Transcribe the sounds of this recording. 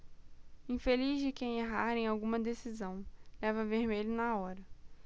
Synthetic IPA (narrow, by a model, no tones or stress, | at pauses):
ĩfelizd͡ʒɪkẽj̃eɦaɾẽj̃awɡũmɐd̪esizɐ̃w̃lɛvɐveɾmelʊnaɔɾɐ